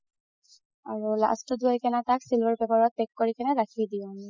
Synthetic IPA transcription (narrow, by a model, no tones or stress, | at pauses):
aɹula̰stɔduɔjkɛnataksilbaɹbɛbaɹɔt̚pɛkːoɹikɛnɛɹakʰidiɔ̃n